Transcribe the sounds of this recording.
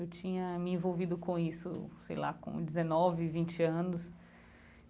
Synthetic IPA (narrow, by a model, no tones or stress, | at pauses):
ewt͡ʃĩɲɐmɪẽvowvid̪ʊkõisʊ̰sḛjla̰kõ̰d͡ʒɪzenɔvɪvĩt͡ʃɪɐ̃nʊs